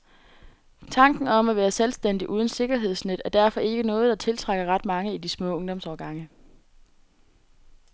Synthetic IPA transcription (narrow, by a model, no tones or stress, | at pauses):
t͡sʰɑ̈ŋɡ̥n̩ɒ̽mæʋæːɐselsd̥en̰d̥iʔuːð̞ˠənse̝ɡ̥ɐɦe̝ð̞̰ˠsned̥æɐd̥æɐfɒ̽ʔe̝ɡ̥ənɔ̽ːð̞̩ˠd̥ɑ̈t͡sʰe̝lt͡sʰʁaɡ̥ɐʁɑ̈d̥mɑ̈ŋəid̥ismɔ̰̽ːɔ̽ŋd̥ɒ̽msɒːɡ̥ɑ̈ŋə